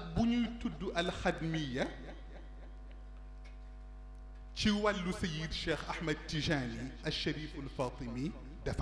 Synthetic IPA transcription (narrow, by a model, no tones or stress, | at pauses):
ɐbuɲujtudːuʔɐlxɐdmijːɐ | ciwɐlːusɐjid̪ʃɛːxʔɐħmɐd̚tiʒaːniʔɐʃːɐɾiːfɐlfɑːt̪ˤɨmi | dɐf